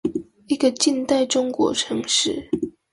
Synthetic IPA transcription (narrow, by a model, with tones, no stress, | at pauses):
i˧˥ɡə˨˧t͡ɕi˥˧nt̪a˥˨ɪʈ͡ʂʊ˥ŋkwɔ̰˨˧˥ʈ͡ʂʰɤ˧˥ŋʂɻ̩˥˩